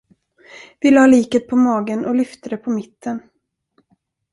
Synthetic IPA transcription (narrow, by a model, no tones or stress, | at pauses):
vɪlɑːliːkət̪̚pʰɔmɑːɡənʔɔlʏft̪əd̪ɛpʰɔmɪt̪ːən